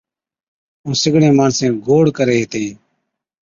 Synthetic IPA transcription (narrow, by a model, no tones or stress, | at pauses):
ũːsɪɡɽẽːmaːɳsẽːɡoːɽkəɾeːɦt̪eː